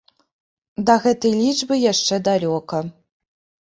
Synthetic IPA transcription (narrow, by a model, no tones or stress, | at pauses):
d̪ɐɣɛt̪ɐjlʲid͡ʐbɨjaʂt͡ʂɛd̪alʲɔkɐ